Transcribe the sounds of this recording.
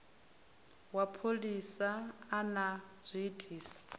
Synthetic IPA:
wapʰolisaːnaz̥ʷiːtʰʼiːsḁ

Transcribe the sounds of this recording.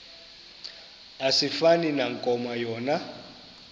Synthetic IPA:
asifaninaŋkʼɔmajɔːna

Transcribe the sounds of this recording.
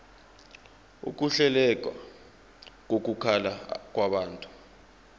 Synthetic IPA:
ṵk̬ʼuɬɛlɛk̬ʼwa̰ | k̬ok̬ukʰalak̬ʼwaɓaːntʼu̥

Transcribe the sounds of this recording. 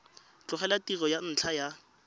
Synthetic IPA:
t͡ɬʊχɛlatirɔjan̩t͡ɬʰaja

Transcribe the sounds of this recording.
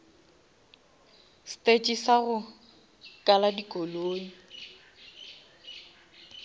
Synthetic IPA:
stʼet͡ʃʼisaɣʊ | kʼaladikʼoloːŋ̩

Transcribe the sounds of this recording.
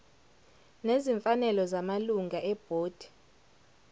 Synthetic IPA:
neziɱfanɛlɔzamaluŋaʔɛb̥ʱoːd̥ʱi̥

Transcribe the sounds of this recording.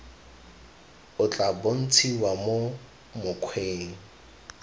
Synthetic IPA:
ʊt͡ɬʼabon̩t͡sʰiwamo | mʊkʰweːŋ̩

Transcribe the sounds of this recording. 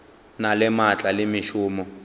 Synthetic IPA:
nalɛmat͡ɬʼalɪmiʃuːmɔ

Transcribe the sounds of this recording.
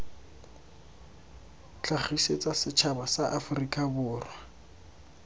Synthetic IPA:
t͡ɬaχiset͡sʼasɪt͡ʃʰabasaʔafʊrikʼabʊːrwa

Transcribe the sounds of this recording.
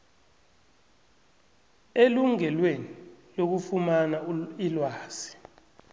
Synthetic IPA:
eluŋɛlwenilok̬ufumanailwaːz̥i̥

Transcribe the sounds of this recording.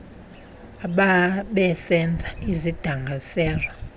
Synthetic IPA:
aɓaɓɛsɛnd͡zʱaizid̥ʱaŋɡʱasɛːlwɔ

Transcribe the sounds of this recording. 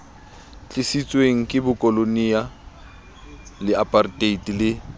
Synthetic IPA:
t͡ɬʼɪsit͡sʼweŋ̩kʼɪbʊkʼɔlonia | lɪapʼartʼeitʼilɪ

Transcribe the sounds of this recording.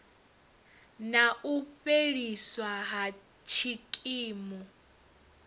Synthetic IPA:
naʔuɸeɺiswaɦa | t͡ʃʰikʼiːmɔ

